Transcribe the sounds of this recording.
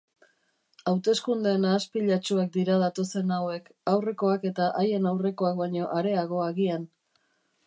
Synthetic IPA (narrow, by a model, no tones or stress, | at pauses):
awt̪e̞skund̪eːnaːspiʎat͡ʃuak̚d̪iɾað̞at̪o̞se̞nawe̞kawre̞ko̞ake̞t̪aʔaje̞nawre̞ko̞ak̚bajɲo̞ʔaɾe̞aɣo̞aɣian